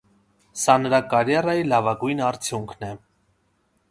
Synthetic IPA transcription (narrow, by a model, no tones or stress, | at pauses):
sɑnəɾɑkɑɾjɑrɑjilɑvɑɡujnɑɾt͡sʰjuŋkʰnɛ